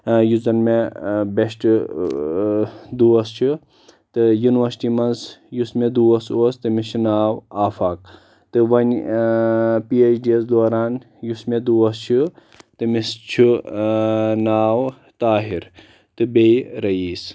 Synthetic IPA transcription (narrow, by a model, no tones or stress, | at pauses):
juzɐnmebeʃʈ | d̪uːɐst͡ʃʰu | t̪ɨjunʋɐɾsi̥ʈiːmɐnzjusmed̪uːɐsoːst̪ɨmist͡ʃʰinaːwaːfaːk | t̪ɨʋɐnʲ | piːet͡ʃɖiɐsd̪oːɾaːn | jusmed̪uɐst͡ʃʰu | t̪ɨmist͡ʃʰu | naːw | t̪aːɦiɾ | t̪ɨbejɾɐiːs